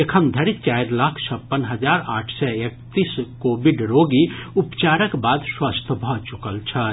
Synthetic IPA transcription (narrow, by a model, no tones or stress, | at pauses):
ekʰəmd̪ʱɐɾit͡ʃaːɪɾlaːkʰt͡ʃʰɐpːənɦɐd͡ʒaːɾaːʈʰsɛek̚t̪iskoːbiɖɾoːɡiupt͡ʃaːɾəkbaːd̪swast̪ʰbʱɔt͡ʃukəlt͡ʃʰɐ